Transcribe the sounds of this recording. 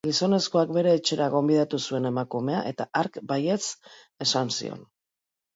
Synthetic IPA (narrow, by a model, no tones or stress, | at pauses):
ɡiso̞ne̞sko̞akbe̞ɾe̞ːt͡ʃe̞ɾaɣ̞o̞mbiðat̪usue̞ne̞makume̞aʔe̞t̪aʔaɾkbaje̞s | e̞sansḭo̞̰n